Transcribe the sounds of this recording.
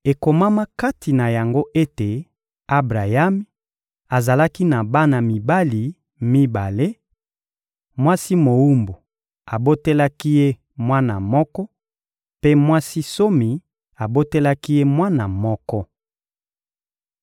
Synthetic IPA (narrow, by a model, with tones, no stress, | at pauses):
e˨ko˨ma˦ma˦ka˦ti˨na˨ja˨ŋɡo˦ʔe˦te˨ | a˦bʁa˨ja˦mi˦ | a˨za˨la˦ki˦na˨ba˦na˨mi˨ba˦li˨ | mi˦ba˨le˦ | mwa˦si˦mo˨wu˦mbu˨ | a˨bo˦te˦la˦ki˦je˦ | mwa˦na˨mɔ˦kɔ˦ | pe˦mwa˦si˦so˦mi˨ | a˨bo˦te˦la˦ki˦je˦mwa˦na˨mɔ˦kɔ˦